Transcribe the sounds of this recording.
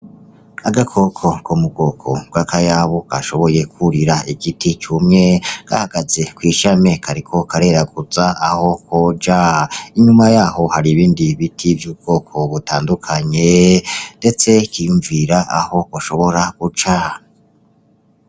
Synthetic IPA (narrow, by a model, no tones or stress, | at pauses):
aɡakʰo̞kʰo̞komuɡo̞ːkʰo̞̰ɡ̥wakʰajaβoka̰ʃo̞βo̞je̞kʰuɾiɾaiɡitit͡ʃumŋe̞ɡ̥a̰haɡaze̞kwiːʃame̞kʰaɾikʰo̞kʰaɾe̞ɾaɡuzaːho̞kʰod͡ʒaiɲumajaːɦo̞haɾiβiːndiβitʰivjuːb̚ɡo̞ːkʰo̞βutaːndukʰaɲe̞nde̞t͡se̞kijuɱviɾaʔa̰ho̞koʃo̞βo̞ɾaɡ̥ut͡ʃa